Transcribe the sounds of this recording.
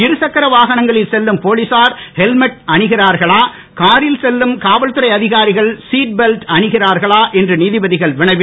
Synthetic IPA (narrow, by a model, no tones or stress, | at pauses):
ɪɾɯsɐkːɐɾɐʋaːɣɐɳɐŋɡɐɭɪlsɛlːɯmpoːɭɪsaːɾhɛlmɛʈ̚ɐɳɪɣɪraːɾɣɐɭaː | kaːɾɪlsɛlːɯmkaːʋɐɭt̪ɯɾɐɪɐðɪɣaːɾɪɣɐɭsiːʈ̚bɛlʈɐɳɪɣɪraːɾɣɐɭaːʔɛndrɯniːðɪbɐðɪɣɐɭʋɪɳɐɪʋɪ